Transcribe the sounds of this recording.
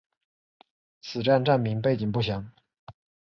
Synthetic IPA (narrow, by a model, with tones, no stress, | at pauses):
t͡sʰɹ̩˨˩ʈ͡ʂa˥˧nʈ͡ʂa˥˩nmi˧˥ŋpe˥˩ɪt͡ɕi˨˩ŋpu˥˩ɕjɑ˧˥˦ŋ